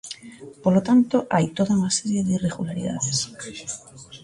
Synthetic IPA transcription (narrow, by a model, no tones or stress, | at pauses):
polot̪ant̪oʔajt̪oðaunaseɾjeðireɣulaɾiða̰ðes